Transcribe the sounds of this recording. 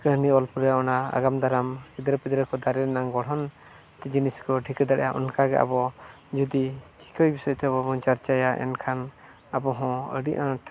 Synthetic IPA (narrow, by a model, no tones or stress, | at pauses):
kəɦniɔlpuɾɛaɔnaa̰ɡamd̪aɾampid̪ɾɔpid̪ɾɔkɔd̪aɾɛɾɛnaŋɡɔɽ̤ɦɔn | t̪ɛd͡ʒiniskɔʈʰikəd̪aɽɛjaʔɔ̰nkaɡɛ̰ʔa̰bɔ | d͡ʒud̪it͡ʃʰi̥kʰɔjbisɔjɔt̪ɛbɔbɔnt͡ʃaɾt͡ʃajaʔɛ̰nkʰan | abɔɦɔ̃ə̰ɽiʔãʈ